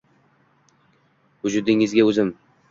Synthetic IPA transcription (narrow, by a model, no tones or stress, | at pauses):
hʊd͡ʒʊd̪ɪŋɪzɡʲaɵzɪm